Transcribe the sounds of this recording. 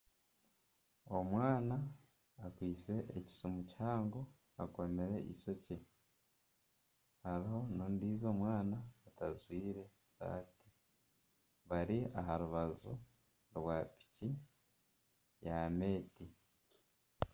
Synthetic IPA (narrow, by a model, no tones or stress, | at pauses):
o̞mwaːnaː | kwiːt͡se̞ʔːci̥somuchaːŋɡo̞ | a̰ko̞me̞ɾe̞ʔḭso̞ce | haɾiho̞nondiːzo̞ːmwaːnaːtazwiːɾe̞sa̰ːti | βaɾia̰ɦaɾuβazo | ɾwaːpi̥ci | jame̞ːti